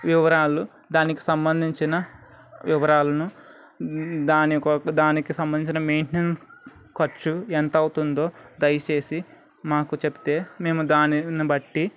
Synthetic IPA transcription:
ʋiʋɐɾaːlu | d̪aːniki̥sɐmbɐnd̪ʱiɲt͡ʃinɐ | ʋiʋɐɾaːlɐnu | d̪aːnikɐd̪aːnikisɐmbɐnd̪iɲt͡ʃinɐmeːɳʈnenskɐt͡ʃːuent̪ɐɐwut̪und̪o̞ːd̪ɐjɐt͡ʃe̞ːsi | maːkut͡ʃebi̥t̪e̞ːme̞ːmud̪aːninibɐʈːi

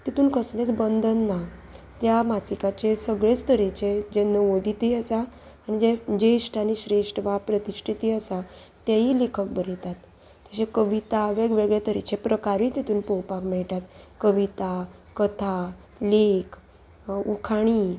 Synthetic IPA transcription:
t̪it̪ʰuːnkʰəsnet͡sbənd̪ʱənːa | t̪jamasikat͡ɕesəɡɭet͡st̪əɾit͡ɕed͡ʑenəʋod̪ʱit̪iəsaː | ñid͡ʑed͡ʑeʂʈʰaniɕɾeʂʈəʋapɾət̪isʈʰit̪iːəsa | t̪jaɦiːlekʰək̚bəɾit̪at̪ː | aɕekəʋit̪aʋeɡʋeɡɭet̪əɾit͡ɕepɾəkaɾĩt̪it̪uːnpowpakmɛɭʈat̪kəʋit̪akət̪ʰa | lekʰ | ukʰaɽ̃i

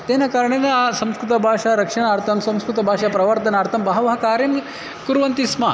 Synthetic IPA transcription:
t̪enɐkaɾɳenesɐ̃mskɾut̪ɐbʱaːʂaɾɐkʂɐɳ̃aːɾt̪ʰɐmsɐ̃m̃skɾut̪ɐbʱaːʂapɾɐʋɐɾt̪ɐnaːɾt̪ʰɐmbɐɦɐʋɐɦɐkaːɾjɐm | kuɾʋɐnt̪isma

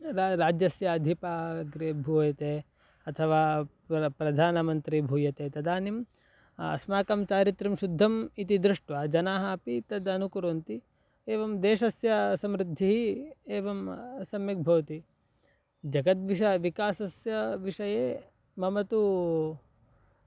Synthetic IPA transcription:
ɾɾaːd͡ʒjɐsjɐːd̪ʱipaːɡɾebʱuːjɐt̪eː | ɐt̪ʰɐʋaː | pɾɐd̪ʱaːnɐmɐnt̪ɾibʱuːjɐt̪eːt̪ɐd̪aːnim | ɐ̰smaːkɐmt͡ʃaːɾit̪ɾimʃud̪ʱːɐmit̪id̪ɾuʂʈʋaːd͡ʒɐnaːɦɐɐpit̪ɐd̪ɐnukuɾoːnt̪i | eːʋɐmd̪eːʃɐsjɐsɐmɾid̪ʱːiɦieːʋɐmsɐmjɐk̚bʱɐʋɐt̪i | d͡ʒɐɡɐt̪ʋiʃɐʋikaːsɐsjɐʋiʂɐjeː | mɐmɐt̪u

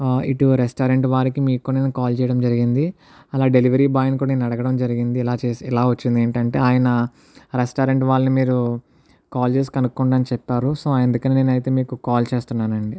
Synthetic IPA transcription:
iʈuɾesʈɐːɾeɳʈʋaːɾikimiːkːuːɽanenukaːlt͡ʃɛːjɐɽɐmd͡ʒɐɾiɡind̪i | ɐlaːɖe̞liʋɐɾiːbaːjnkuːɽaneːnɐɽɐɡɐɽɐmd͡ʒɐɾiɡind̪iːlaːt͡ʃeːsilaːʋɐt͡ʃːind̪eːɳʈɐɳʈe̞̰ːaːjɐnɐ | ɾesʈoːɾeɳʈʋaːlɐnimiːɾu | kaːld͡ʒe̞ːs̬kɐnukːuɳɖaːnit͡ʃɛpːaːɾuso̞ːend̪ukɐniːneːnɐjt̪e̞ːmiːkukaːlt͡ʃe̞ːst̪unːaːnɐɳɖi

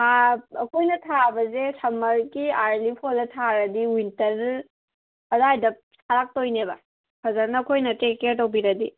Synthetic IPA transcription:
aɐkʰojnɐtʰabɐzesʰɐmɐɾɡiaɾlipʰolɐtʰaɾɐdiwintɐɾ | ɐzajdɐp̚saɾak̚tojnebɐ | pʰɐzɐɾnɐːkʰojnɐtekeɾtɐwbiɾɐdi

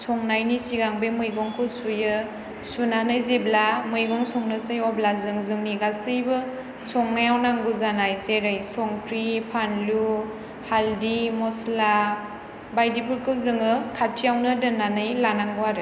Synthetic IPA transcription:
sɔŋnajnisiɡaŋbemɯjɡɔŋkʰɯsujɯ | sunanɯjzeblamɯjɡɔŋsɔŋnɯsɯjɔblazɯŋzɯŋniɡasɯjbɯ | sɔŋnajawnaŋɡɯzanajzeɾɯjsɔŋpʰɾipʰanlu | haldimɔsla | bajdipʰuɾkʰɯwzɯŋɯkʰatʰijawnɯdɯnanɯjlanaŋɡwaɾɯ

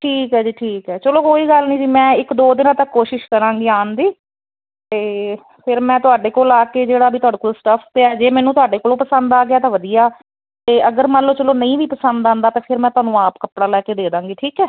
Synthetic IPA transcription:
ʈʰiːkɦɛːd͡ʒiːʈʰiːkɦɛːt͡ʃəloːkoːiːɡəlnĩːd͡ʒiːmɛ̃ːɪkd̪oːd̪ɪnãːt̪əkːoːʃɪʃkəɾãːŋɡiːaːnd̪iː | t̪eː | pʰɪɾmɛ̃ːt̪ʊaːɖeːkoːlaːkeːd͡ʒeːɽaːbʱiːt̪ʊaːɖeːkoːlsʈəpʰp̪eɛːd͡ʒeːmɛ̃ːnũːt̪ʊaːɖeːkoːlõːpəsənd̪aːɡɪaːt̪ãːʋəd̪ijaː | t̪eːʔəɡəɾmaləːt͡ʃəloːnəĩːʋiːpəsənd̪ãːnd̪aːt̪ẽːpʰɪɾmɛ̃ːt̪ʊaːnũːaːpkəpɽaːlɛːkeːd̪eːd̪ãːŋɡiːʈʰiːkɛː

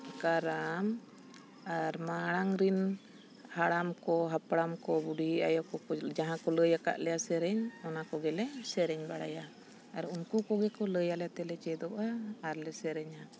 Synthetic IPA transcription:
kaɾam | aɾmaɽ̃aŋɾin | haɽamkɔɦapɽamkɔbuɽiiajɔkɔd͡ʒaɦãkɔləjaka̰ʔlɛjasɛɾɛɲɔnakɔɡɛlɛsɛɾɛɲbaɽa̰ja | aɾunkukɔɡɛkɔləjalɛt̪ɛlɛt͡ʃɛd̪ɔʔaːɾlɛsɛɾɛɲa

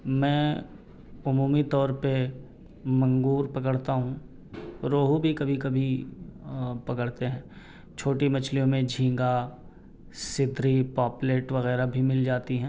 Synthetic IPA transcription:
mɛ̃ː | ʊmuːmit̪ɔːɾpe | mɐ̃ŋɡuːɾpɐkəɽt̪aɦũ | ɾoːɦubʱikɐbʱikɐbʱi | pɐkəɽt̪eɦɛ̃ː | t͡ʃʰoːʈimɐt͡ʃʰlijõmẽd͡ʒʱĩːŋɡa | sɪd̪ʱɾipaːpleːʈʋɐɣɛːɾabʱimɪld͡ʒaːt̪iɦɛ̃ː

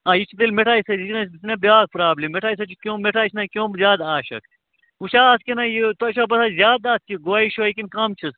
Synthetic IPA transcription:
aːjit͡ʃʰid̪elmeʈʰaːjsɐikʲnɐsbisnɐbjaːk̚pɾaːblemːeʈʰaːis̬ɐt͡ʃʰikʲjõːmeʈʰaːt͡ʃʰnɐkʲjõːzʲjaːd̪aːʃɐ̰k | ut͡ʃʰaːskʲinɐjit̪oʃɐːbɐsaːzʲjaːd̪aːskiɡoaːiʃojikinkɐmt͡ʃʰis

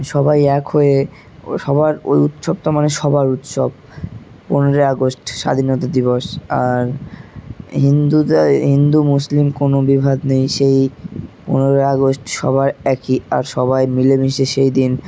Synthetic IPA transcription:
ʃɔbajɛkʰhoe | ʃɔbaɾo̰jut̪ʃob̚t̪amaneʃɔbaɾut̪ʃo̰b | poneɾaaɡosʈʃa̰d̪ʱinɔt̪ad̪iβoʃaɾ | ɦind̪uaɦind̪umuslimkonobibʱad̪nejʃejponeɾaaɡosʈʃɔ̰baɾɛkia̰ɾʃɔβajmilebiʃeʃejd̪in

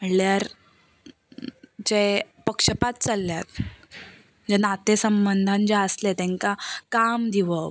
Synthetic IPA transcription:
əljaɾ | d͡ʑepəkʂəpat̪̚t͡salːjat̪̚ | d͡ʑenat̪esəmbənd̪ʱand͡ʑaəslet̪ẽŋkakamd̪ʱiʋə

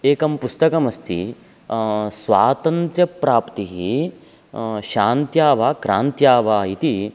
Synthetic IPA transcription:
eːkɐmpust̪ɐkɐmɐst̪ʰḭ | sʋaːt̪ɐnt̪ɾjɐpɾaːpt̪iɦi | ʃaːnt̪jaːʋaːkɾaːnt̪jaːʋaːit̪i

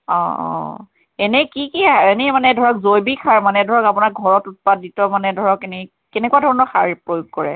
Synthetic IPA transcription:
ɔ̰̃ɔ̰̃ | ɛnɛkikiɛnɛmanɛdʱɔɹɔkzojbikʰaɹmanɛdʱɔɹɔkapunak̚ɡʱɔɹɔtut̚paditɔmanɛdʱɔɹɔkɛnɛ | kɛnɛkuadʱɔɹɔnɔxaɹipɹojuɡ̚kɔɹɛ̰

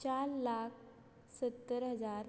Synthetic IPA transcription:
t͡ɕaɾlak̚ʰ | sət̪ːəɾɦəd͡zaɾ

